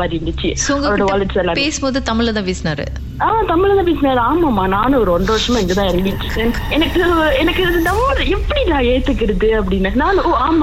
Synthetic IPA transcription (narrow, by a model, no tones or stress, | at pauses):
aɾɪʋɳɖ̪ɯt͡ʃːisoŋɡɐɾːɽɐʋaːlɐʈsɛlːãːpeːsɯmpoːðɯt̪ɐmɪɭːɐt̪ãːpeːsnaːɾɯ̰ | aːmaːt̪ɐmɪɭɐt̪ãːp̬eːsɯnaːɾɯaːmːaːmaːnaːnɯ̃ɔɾɯɔɳɖɾɐʋɐɾʂɐmãɪŋɡɐt̪ãːɛnɐmiʈːɯɯnɛnɐkːɯɛnɐkːɯnɐʋoɾɯɛpːɐɽinaːeːt̪ːɯkːɪɾɐðɯɐp̬ːɐɽɪnːɐnaːnɯ̃oːaːmːa